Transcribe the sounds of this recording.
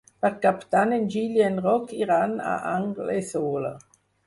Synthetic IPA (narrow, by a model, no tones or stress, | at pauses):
paʁkapt̪anend͡ʒiljaenʁɔkʰiʁana̰ʔaŋɡlesoːlə̰